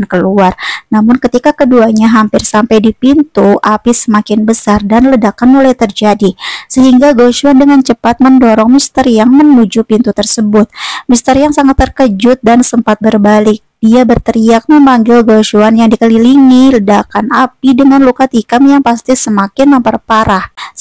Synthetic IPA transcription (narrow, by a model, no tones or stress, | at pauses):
nkəluarnamʊnkət̪ikakəduaɲaɦampɪrsampajdipint̪uʔapisəmakɪnbəsardanlədakanmolajt̪ərd͡ʒadisəɦiŋɡaɡoʃuandəŋant͡ʃəpat̪̚məndɔɾɔŋmist̪ərjaŋmənud͡ʒupint̪ut̪ərsəbʊt̪̚mist̪ərjaŋsaŋat̪ːərkəd͡ʒʊt̪̚dansəmpat̪̚bərbalɪk̚d̥iabərt̪əɾiak̚məmbaŋɡɪlɡoʃuanjaŋdikəliliŋilədakanapidəŋanlukat̪ikamjaŋpast̪isəmakɪnməmpərpaɾah